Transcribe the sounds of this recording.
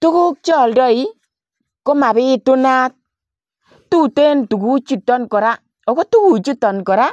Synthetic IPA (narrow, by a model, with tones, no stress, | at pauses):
tu˦ku˦k̚t͡ʃɔ˨ldɔ˦i˦ | ko˦ma˨bɪ˦tu˦na˦t̚ | tu˦te˦ntu˨ku˦t͡ʃi˦tːɔ˦nkɔ˨ɾa˦ | o˨ko˦tu˦ku˨t͡ʃu˦tɔ˨nkɔ˨ɾa˦